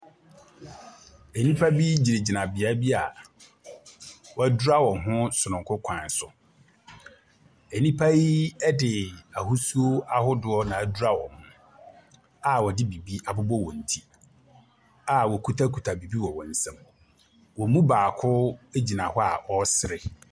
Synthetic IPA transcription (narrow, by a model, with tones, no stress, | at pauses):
ɛ˨nĩ˦pʰa˦bi˦d͡ʑi˨ɾe˨d͡ʑi˨nã˨bɪ˨a˦bi˦a˨ | wɔ˨æ˨du˦a˦wɔ̃˨ɦʊ̃˦sʊ˨nʊ̃˨ŋ˨kʰʊ˦kʷʰã˨n˨˦sʊ˨ | e˨nĩ˦pʰa˦ji˦ɛ˦dɪ˨a˨ɦu˦su˦o˦a˦hʊ˦dʊ˦ɔ˦nã˨æ˨du˦ɾa˦wɔ̰̃˨hʊ̃˦ | a˨wɔ˨dɪ˦bi˨bi˦a˨bʊ˦bɔ˦wɔ̃˨n̩˨tʰi˦ | a˨wɔ˨kʰu˦tʰa˦kʰu˨tʰa˨bi˨bi˦wɔ˨wɔ̃˨n̩˨sã˦m | wɔ˨mũ˦baː˨kʰʊ˦e˦d͡ʑi˨nã˨hɔ˦a˨ʔɔ˦sɪ˨ɾɪ˨